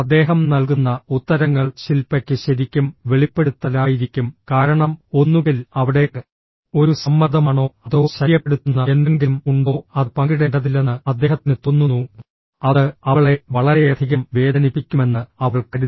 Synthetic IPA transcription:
ɐd̪ːe̞ːɦɐmnɐlk̬unːɐut̪ːɐɾɐŋːɐɭɕilpːɐkʲːɨɕɐɾikʲːumʋe̞ɭipːe̞ɽut̪ːɐlaːjiɾikʲːumkaːɾɐɳɐmo̞nːuɣilɐʋiɽe̞ɨ | o̞ɾusɐmːɐd̪ʱɐmaːɳo̞ːɐðo̞ːɕɐijɐpːeɽut̪ːunːɐend̪eŋɡimuɳɖo̞ːɐðɨpɐŋɡiɽeɳɖɐðilenːɨɐd̪ːe̞ːhɐt̪ːinɨt̪onːunːu | ɐðɨɐʋɐɭe̞ʋɐɭɐɾe̞jɐd̪ʱiɣɐmʋe̞ːd̪ɐnipːikʲːume̞nːɨɐʋɐɭkɐɾi

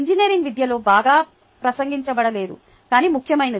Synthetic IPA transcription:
ɲd͡ʒinieːɾiŋɡʋid̪jɐlo̞ːbaːɡaː | pɾɐsɐŋɡiɲt͡ʃɐbɐɽɐle̞ːd̪ṵ | kaːniːmukʰjɐmɐjnɐ

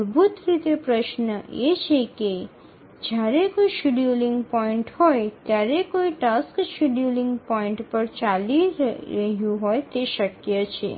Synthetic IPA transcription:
ɾbʱut̪ɾit̪epɾəʃnəʔet͡ʃʰeke | d͡ʒjaɾekoiʃiɖjuliŋɡpɔĩɳʈhɔjt̪jaɾekoiʈaskʃiɖjuliŋɡpɔĩɳʈpəɾt͡ʃaliɾɾəɦjũɦojt̪eʃəkjət͡ʃʰḛ

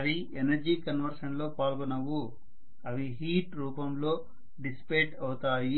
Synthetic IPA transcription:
ɐʋi | enɐɾd͡ʒiːkɐnʋɐɾʂɐɳlo̞ːpaːlɡɔnɐʋu | ɐʋiɦiːʈɾuːpɐmlo̞ː | ɖispeːʈɐwt̪aːji

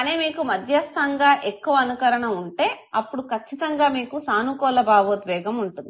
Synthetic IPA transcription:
ɐneːmiːkumɐd̪ʱjɐst̪ʰɐŋɡaːʔekːuʋɐːnukɐɾɐɳɐuɳʈe̞ː | ɐpːuɽukʰɐt͡ʃːit̪ɐŋɡaːmiːkusaːnukɔːlɐbaːʋoːd̪ʋɛːɡɐmuɳʈund̪ii

